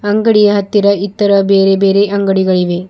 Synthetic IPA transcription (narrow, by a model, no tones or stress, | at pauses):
ɐŋɡɐɽijɐɦɐt̪ːiɾɐit̪ːɐɾɐbeːɾebeːɾeʔɐŋɡɐɽiɡɐɭiʋe